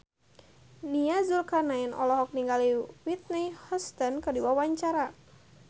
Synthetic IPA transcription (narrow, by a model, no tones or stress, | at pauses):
niazulkanainɔ̰lɔɦɔk̚niŋɡaliwit̪̚nihɔst̪ənkədiwawaɲt͡ʃaɾa